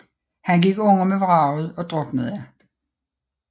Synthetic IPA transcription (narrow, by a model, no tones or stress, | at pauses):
hænɡ̥iɡ̥ɔ̽n̰ɐmeʋʁɑ̈ːʊð̩ˠɒ̽d̥ʁɔɡ̥nəð̩ˠjæ